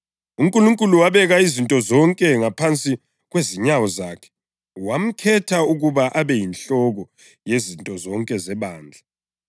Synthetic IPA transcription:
uŋkʼuluŋkʼuluwaβɛɣaizintʼɔzɔŋkʼɛŋapʰant͡sʼi | ɣweziɲawɔzaːkʰɛ̥ | wam̩kʰɛtʰauɣuβaʔaβɛjinɬɔɣɔ | jezintʼɔzɔŋkʼɛzɛβaːnd͡ɮʱa

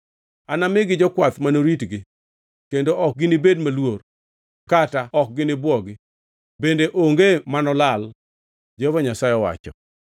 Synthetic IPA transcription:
anamɪɡɪd͡ʒɔkwat̪manoɾitɡɪ | kendoʔɔk̚ɡɪnɪbedmalwor | kataɔk̚ɡɪnɪbwɔɡɪ | bendeʔoŋɡemanɔlal | d͡ʒevɔɲasajɔwa̰t͡ʃɔ̰

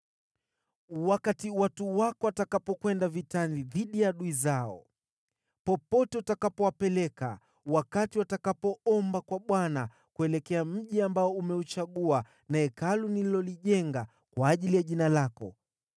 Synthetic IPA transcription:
wakatiwatuwakɔwatakapɔkwɛndavitaniðiɗijaɗuizaɔ̰ | pɔpɔtɛutakapɔwapɛlɛka̰ | wakatiwatakapɔɔmbakwaɓwana | kuɛlɛkɛam̩ʄiambaɔumɛut͡ʃaɠua | naɛkalunililɔliʄɛŋɡa | kwaːʄilijaʄinalakɔ̰

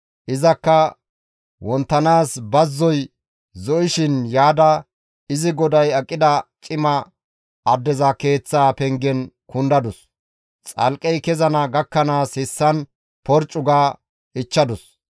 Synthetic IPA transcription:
ʔɪzɐkːɐ | wɔnt̪ːɐnaːsbɐzːɔj | zɔʔɪʃɪnjaːd̪ɐ | ɪzɪɡɔd̪ɐjɐkʼːɪd̪ɐt͡ʃʼɪmɐ | ʔɐd̪ːɛzɐke̞ːt͡sːaːpɛŋɡɛnkʊnd̪ɐd̪ʊs | t͡sʼɐ̰lkʼɛjkɛzɐnɐɡɐkːɐnaːshɪsːɐn | pɔɾt͡ʃʼːʊɡaː | ɪt͡ʃːɐd̪ʊs

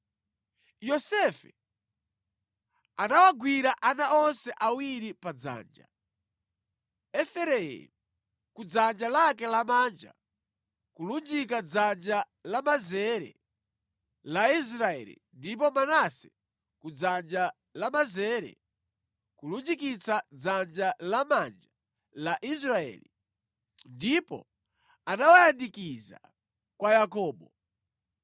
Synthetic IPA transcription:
jɔsɛfɛ | anawaɡwiɾaʔanaɔnsɛʔawiɾipad͡za̰ːnd͡ʒa̰ | ɛfɛɾɛjɛ̰ | kud͡zand͡ʒalakɛlamaːnd͡ʒa̰ | kulund͡ʒikad͡zand͡ʒa | lamazɛɾɛ̰ | lais̬ɾaɛ̰lḭndip̬ɔmanasɛ | kud͡zand͡ʒa | lamazɛɾɛ̰ | kulund͡ʒikit͡sad͡zand͡ʒalamand͡ʒa | laʔis̬ɾaɛ̰ːli | ndipɔ̰ | anawajandikiza̰ | kwajakɔːɓɔ

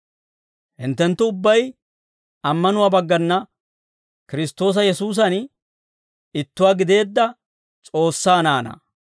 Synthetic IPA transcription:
hɪ̰nt̪ːɛnt̪ːʊʊbːɐj | ɐmːɐnʊwaːbɐɡːɐnːɐ | kɪɾɪst̪o̞ːs̬ɐjɛsuːs̬ɐn | ɪt̪ːʊwaːɡɪd̪e̞ːd̪ːɐ | t͡sʼo̞ːsːaːnaːnɐ̰

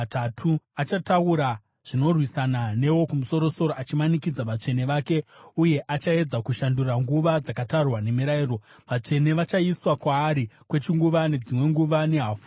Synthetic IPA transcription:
tatʰuat͡ʃatauɾa | ʐ̥ino̞rwisanane̞wo̞kumuso̞ɾo̞so̞ɾo̞ʔat͡ʃimanikid͡zaʋat͡ʂe̞ne̞ʋaːke̞uje̞ʔat͡ʃae̞d͡zakuʃanduraŋɡuʋad͡zakatarwane̞miɾairo | ʋat͡ʂe̞ne̞ʋat͡ʃaiswakwaːɾikwe̞t͡ʃiŋɡuʋane̞d͡zimwe̞ŋɡuʋane̞ɦaːfu

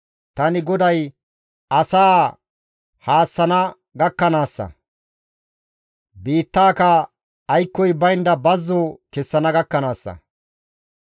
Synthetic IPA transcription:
t̪ɐnɪɡɔd̪ɐj | ɐsaː | haːsːɐnɐ | ɡɐkːɐnaːsːɐ̰ | biːt̪ːaːkɐː | jkːɔjbɐjnd̪ɐbɐzːokɛsːɐnɐɡɐkːɐnaːsːɐ̰

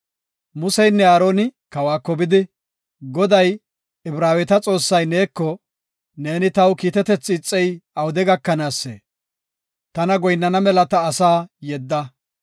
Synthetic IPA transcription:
mʊsɛjnːɛaːɾo̞ːnɪkɐwaːkːɔbɪd̪ɪ | ɡɔd̪ɐj | ɪbɾaːwɛt̪ɐt͡sʼo̞ːsːɐjneːkːɔ | ne̞ːnɪt̪ɐwkiːt̪ɛt̪ɛt͡sːɪːt͡sʼːɛjɐwd̪ɛɡɐkːɐnaːsːḛː | t̪ɐnɐɡɔjnːɐnɐmɛlɐt̪ɐːsaːjɛd̪ːɐ

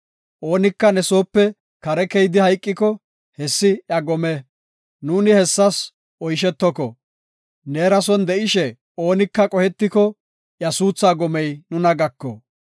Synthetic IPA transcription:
ʔo̞ːnɪkːɐnɛso̞ːpːɛ | kɐɾɛkɛjd̪ɪhɐjkʼːɪkɔ | hɛsːɪjɐɡɔmɛ | nuːnɪhɛsːɐs | ʔɔjʃ̬ɛt̪ːɔkɔ | neːɾɐsɔnd̪ɛʔɪʃɛ | o̞ːnɪkːɐkʼɔhɛt̪ːɪkɔ | ʔjɐsuːt͡sːaːɡɔmɛjnʊnɐɡɐkːɔ̰

